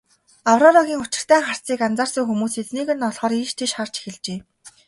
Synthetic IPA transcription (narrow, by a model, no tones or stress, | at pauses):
awrɔɮɔɣʲiːŋʊt͡ɕɪ̥̆r̥t̪ʰæːŋχar̥t͡siːkant͡saːrsə̆ŋxumuːset̪niːɣɘ̆nːɔɮʁɔːɾiʃt̪ʰeʃχar̥t͡ɕe̥xɘ̆ɮt͡ɕeː